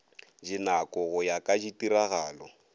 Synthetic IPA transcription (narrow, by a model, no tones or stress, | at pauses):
d͡ʒinakʼɔɣʊjakʼad͡ʒitiɾaɣaːlɔ